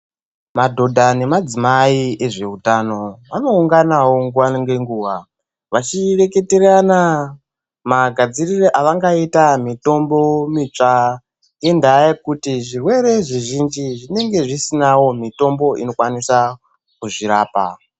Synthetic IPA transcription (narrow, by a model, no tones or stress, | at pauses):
madʱo̞dʱane̞mad͡zimaie̞ʐe̞utano̞ʋano̞uŋɡanawo̞ŋɡuaŋɡe̞ŋɡuːʋa | ʋat͡ʃire̞ke̞teɾana | maɡʱad͡zirireʔaʋaŋɡaitamito̞mbo̞mit͡ʂa | ŋɡendajekutiʐirwe̞ɾe̞ʐiʒind͡ʒiʐine̞ŋɡe̞ʐisinawo̞mito̞mbo̞ʔino̞kwanisa | kuʐiɾaːpa̰